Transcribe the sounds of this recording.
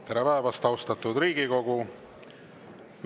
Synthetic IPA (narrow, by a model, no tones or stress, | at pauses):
t̪æɾɑvæevɑst̪ɑwst̪ɑt̪ːˑud̪riːɡiko̞ɡu | m